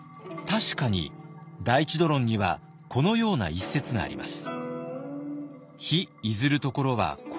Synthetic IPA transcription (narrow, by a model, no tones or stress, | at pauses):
t̪aɕi̥kaɲ̟ḭd̪ait͡ɕid̪o̞ɾõ̞ɲ̟ːiβa̰ | kʰo̞no̞jo̞ːna̰isːe̞t͡sɨɡa̰ːɾʲḭma̰sɨ̥ | çiizɨɾɯ̟t̪o̞ko̞ɾo̞βa̰k